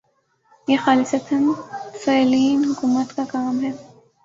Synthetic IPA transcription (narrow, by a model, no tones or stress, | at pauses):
jeːxaːlɪsɐt̪ʰənsɛːliːnɦʊkuːmət̪kakaːmɦɛː